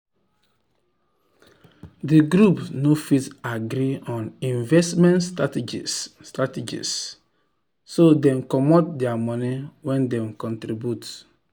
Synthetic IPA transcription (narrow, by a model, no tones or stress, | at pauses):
diɡɾupnofitaɡɾiɔ̃nĩnvɛstmɛ̃natd͡ʒḭtated͡ʒḭs | odɛ̃mkɔmɔt̚dɛamɔniwɛ̃ndɛ̃mkɔ̃ntɾibjut